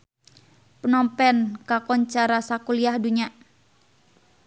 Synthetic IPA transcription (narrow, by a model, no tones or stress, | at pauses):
pənɔmpɛnkakɔɲt͡ʃaɾasakuliahduɲa